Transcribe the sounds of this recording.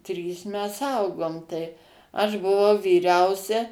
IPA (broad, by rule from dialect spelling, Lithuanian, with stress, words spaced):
ˈtʲrʲiːs ˈmʲɛs ˈɐʊɡoːm tɐɪ ˈɐʃ bʊˈʋɐʊ ʋʲiːˈrʲɛʊsʲɛ